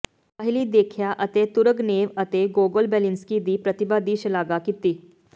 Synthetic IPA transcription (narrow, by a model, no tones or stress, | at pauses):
paɦɪlid̪eːkʰjaʔɐt̪et̪ʊɾəɡneːʋɐt̪eɡoːɡəlbɛːlɪnskid̪ipɾɐt̪ɪbad̪iʃlaːɡakit̪ːiː